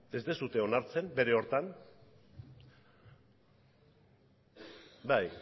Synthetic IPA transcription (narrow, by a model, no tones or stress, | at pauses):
e̞zd̪e̞sut̪e̞onaɾt͡se̞mbe̞ɾe̞o̞ɾt̪an | baj